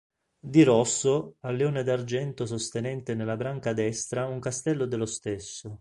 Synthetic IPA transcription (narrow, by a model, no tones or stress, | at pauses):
d̪iɾɔsːoalːeoːned̪ard͡ʒɛnt̪os̬ost̪enɛnt̪enelːabɾaŋkad̪ɛst̪ɾauŋkast̪ɛlːod̪elost̪esːo